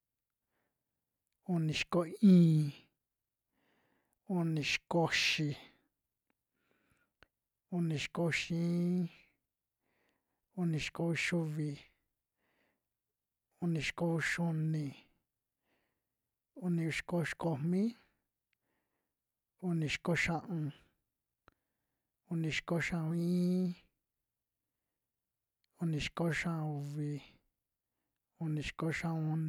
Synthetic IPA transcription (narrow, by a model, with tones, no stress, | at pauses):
o˧nĩ˨ʃko˧ĩː˦ | o˧nĩ˧ʃko˧ʃi˧ | u˧nĩ˨˧ʃko˧ʃĩː˦ | o˧nĩ˨˧ʃko˧ʃu˧βi˧˨ | u˧nĩ˨˧ʃko˧ʃu˧nĩ˧ | u˧nĩ˧u˧ʃko˧ʃko˧mmĩ˦ | u˧nĩ˧ʃi̥˧ko˧ʃã˧ʔũ˧ | u˧nĩ˧ʃi̥˧ko˧ʃã˧ũ˧ĩ˦ | u˧nĩ˧ʃko˧ʃã˧ʔu˧βi˧ | u˧nĩ˧˨ʃi̥˧ko˧ʃã˧ũ˧n˧